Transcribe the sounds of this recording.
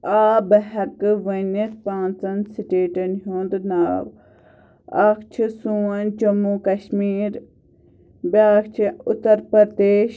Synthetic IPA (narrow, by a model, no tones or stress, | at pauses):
aːbɐɦɐkɨʋɐnet̪pãːnt͡sɐnsiʈeːʈɐnɦoːnd̪naːw | ɐ̰kt͡ʃʰisuɐnd͡ʒɐmukɐʃmiːɾ | baːkt͡ʃʰiʊt̪ːɐɾpɐɾd̪eːʃ